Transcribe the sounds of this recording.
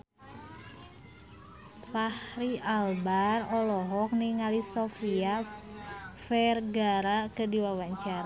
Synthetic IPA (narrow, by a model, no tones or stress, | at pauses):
fahɾialbarɔlɔɦɔk̚niŋalisɔfia | fɛrɡaɾakədiwawaɲt͡ʃaɾa